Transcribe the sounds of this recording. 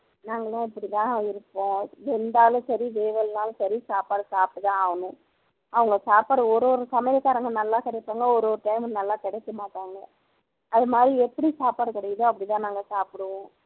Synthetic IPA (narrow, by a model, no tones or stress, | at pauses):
naːŋɡɐlãːɪpːɐɽit̪ãːɪɾɯpːõːɾɛnd̪aːlʊ̃sɐɾiʋeːʋɐlnaːl̃sɐɾisaːpaːɽɯsaːp̚ʈːɯt̪ãːɐʋɐnɯ̃ | ɐʋɐŋɡɐsaːpaːɽɯɔɾoːɾɯsɐmɐjɐkaːɾɐŋɡɐnɐlːaːkɛɽɛpːaːŋɡɐɔɾoːɾɯʈɐɪmnɐlːaːkɛɽɛtːɯmaːʈːaːŋɡɐ | ɐðɯmaːd̪ɾiɛpːɐɽisaːpaːɽɯkɐɽɐjɐðõɐpːɽit̪ãːnaːŋɡɐsaːpɪɽɯʋõː